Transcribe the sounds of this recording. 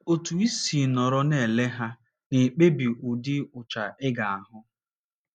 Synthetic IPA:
o˨tu˨i˦si˨nɔ˨ɾɔ˦ne˨le˦ɦa˦ | ne˨k͡pe˦bi˨ʔʊ˨dɪ˦ʊ˨t͡ʃa˨ɪ˦ɡa˨a˨ɦʊ˦

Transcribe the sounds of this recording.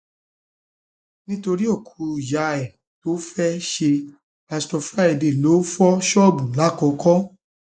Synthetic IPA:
nĩ˦to˧ɾi˦o˦˨kʰu˧i˨ja˨ɛ˨ | to˦fɛ˦ʃe˧ | pa˧stɔ˧fɾa˦ɛ˨de˨lo˨˦fɔ˦ʃɔ˦˨bũ˨la˨˦˨kɔ̃˨˧kɔ̃˦

